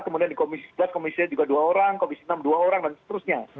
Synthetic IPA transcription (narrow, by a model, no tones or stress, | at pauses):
kəmudiandikomisi̥sə̥blat̚komisiad͡ʒuɡaduaoɾaŋkomisinamduaoɾaŋdansə̥t̪əɾʊsɲa